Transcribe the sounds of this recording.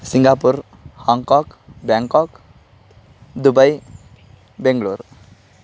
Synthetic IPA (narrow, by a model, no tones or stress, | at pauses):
siŋɡapuɾ | hʌŋkɔkbjaŋkɔk | d̪ubəj | beŋɡɭuɾ